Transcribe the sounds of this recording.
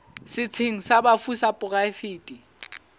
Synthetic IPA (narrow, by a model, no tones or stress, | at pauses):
sɪt͡sʰeŋ̩sabafusapʼʊkʼaɪfiːtʼi